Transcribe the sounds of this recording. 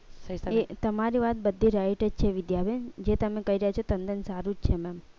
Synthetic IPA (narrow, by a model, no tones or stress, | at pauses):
set̪əmaɾiʋat̪̚bəd̪ʱːiɾajʈəd͡ʒt͡ʃʰeʋɪd̪jabɛnd͡ʒet̪əmekəiɾəɦjat͡ʃʰot̪ənd̪ənsaɾud͡ʒt͡ʃʰemɛm